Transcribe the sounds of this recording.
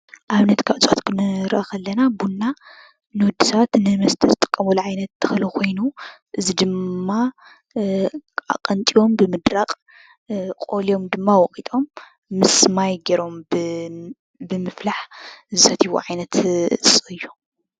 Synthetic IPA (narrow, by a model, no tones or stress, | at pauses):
ʔaβnɐt̪kʰaʔɨt͡sʼot̪kʰɨnɨɾʔakɐlːɐnabunːa | nɨwɔd̪ːisɐβat̪nɨmɐst̪ʰɐzɨt̪ʼɨ̥kʼːɐmuluʕajnɐt̪ːʰɐ̥xɐlukʰo̞jnuʔɨzid̪ɨmːa | a̰qʼɐnt̪ʼijo̞mbɨmɨd̪ɾaqʼ | kʼolio̞md̪ɨmːawɔkʼit̪ʼo̞mː | ɨsmajɡɐɾo̞mb | bɨmɨflaħzɨsɐt̪ʰiβṵʕajnɐt̪ɨt͡sʼɨʔɨjːu